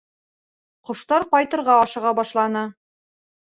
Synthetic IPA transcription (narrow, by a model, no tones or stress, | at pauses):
qŏʃt̪ɑɾqɒjt̪ɤ̆ɾʁɑɒʃɤ̆ʁɑbɒʃlˠɑnɤ